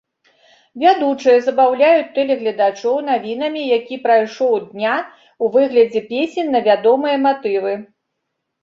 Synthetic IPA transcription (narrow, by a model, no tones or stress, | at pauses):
vʲad̪ut͡ʂɨjɐzɐbawlʲajut͡sʲt̪ɛlʲɛɣlʲɐd̪at͡ʂɔwn̪avʲin̪ɐmʲijakʲipɾajʂɔwd̪nʲa | uvɨɣlʲɐd͡zʲɛpʲesʲɛnʲnːɐvʲad̪ɔmɨjɐmat̪ɨvɨ